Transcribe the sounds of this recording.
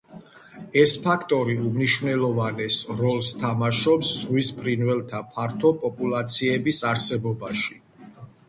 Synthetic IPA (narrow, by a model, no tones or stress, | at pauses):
ɛspʰakʰt̪ʼɔɾiumniʃnɛlˠɔvanɛsɾɔlˠst̪ʰamaʃɔpsːʁwispʰɾinvɛlˠt̪ʰapʰaɾt̪ʰɔpʼɔpʼulˠat̪sʰiɛbisaɾsɛbɔbaʃi̥